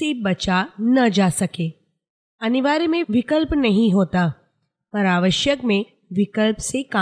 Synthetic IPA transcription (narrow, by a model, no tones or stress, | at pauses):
ebɐt͡ʃanɐd͡ʒasɐkeː | ɐnɪʋaːɾimẽʋɪkəlpnɐɦĩɦoːt̪a | pɐɾaːʋəʃjəkmẽ | ʋɪkəlpseka